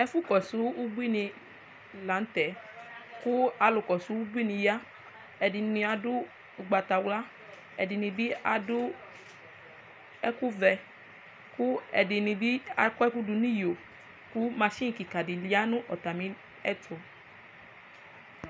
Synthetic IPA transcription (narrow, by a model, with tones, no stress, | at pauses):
ɛ˧fu˦˨kɔ˨su˨˦u˦bu˦i˦˨nĩ˧ | la˨˦n̩˦tɛ˨˦ | ku˦a˧lo˨kɔ˨su˨˦u˦bu˦i˦˨nĩ˧ja˦ | ɛ˧di˧nĩ˧a˦du˦ | u˧ɡ͡ba˧ta˧wla˦ | ɛ˧di˧nĩ˧bi˦a˦u˦ | ɛ˦ku˦vɛ˧ | ku˦ɛ̰˧di˧nĩ˧bi˦a˧kɛ˦ku˦du˧nĩ˦jo˨ | ku˦mã˧ʃĩ˦ŋ̩˨ki˨ka˨di˨li˨˧˦a˦nũ˦ʔɔ˨ta˨mĩ˧ | ɛ˦˨tʰo˨